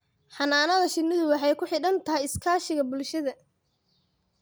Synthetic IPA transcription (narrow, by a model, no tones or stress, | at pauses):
ħɑnaːnɐðɐʃɪnɪðʊwɑħɑjkʰʊħɪɽɐnt̪ʰɐɦɛjɪskʰaːʃɪɣɐbʊlʃɐðɐ